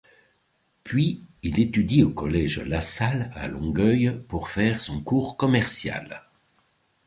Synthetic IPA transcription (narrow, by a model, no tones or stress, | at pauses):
pɥiilet̪yd̪iokɔlɛʒlasala̰lɔ̃ɡœjpuʁfɛʁsɔ̃kuːʁkɔmɛʁsja̰l